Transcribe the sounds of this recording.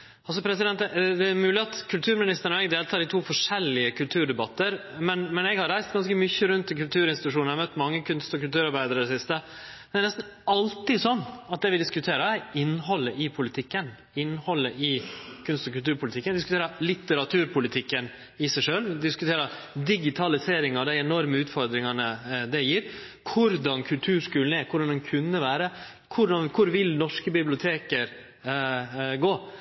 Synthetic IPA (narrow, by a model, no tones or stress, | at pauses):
ɑls̬ɔpʰɾɛsɪd̪ɛnt̪d̪ɛæɾmʉːlɪɑt̪kʰʉlt̪ʰʉːɾmɪnɪst̪əɳɔɛɡd̪eːlt̪ʰɑːɾɪt̪ʰuːfɔʂɛlɪəkʰʉlt̪ʰʉːɾɖɛbɑt̪ːəɾmɛnmɛnɛɡhɑɾæɪst̪ɡɑnskəmʏçəɾʉnt̪ːɪkʉlt̪ʰʉːɾɪnsɪt̪ʉʂunæmœt̪ːmɑŋːəkʰʉnst̪ɔkʉlt̪ʉːɾɑɾbæɪd̪əɾəd̪ɛsɪst̪ə | d̪æɾnɛst̪n̩ | ɑlt̪ɪsɔnːɑt̪̚d̪ɛʋɪd̪ɪskʉt̪ʰeːɾɑɪnːhɔlːəʔɪpʰʊlɪt̪ʰɪkːən | ɪnːhɔlːəʔɪkʰʉnst̪ɔkʉlt̪ʉːɾpʰʊlt̪ɪkːənd̪ɪskt̪eːɾəlɪt̪əɾɑt̪ʰʉːɾpʰʊlɪt̪ʰɪkːən | ɪsæɪʂøːld̪ɪskʉt̪ʰeːɾə | d̪ɪɡɪt̪ʰɑlɪseːɾɪŋɑd̪æɪɛnɔɾməʉːt̪fɔɾd̪ɾɪŋɑnəd̪ɛjiːɾ | kʰʊɾd̪ɑnkʰʉlt̪ʰʉːʂkʉːln̩æɾkʰʊɖɑnd̪ɛnkʰʉnːəʋæːɾə | kʰʊɖɑnkʰʊɾʋɪlnɔʂkəbɪblɪʊt̪ʰeːkəɾ | ɡoː